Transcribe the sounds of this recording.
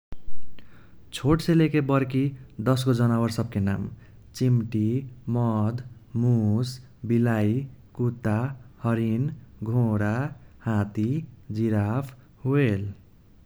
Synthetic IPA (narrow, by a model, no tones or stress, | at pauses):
t͡sʰoʈselekebʌrkid̪ʌskod͡zʌnabʌrsʌp̚kena̰m | t͡simʈimʌd̪mus | bilajkut̪ahʌɾinɡʱõɾahãt̪id͡ziɾapʰ | ɦuel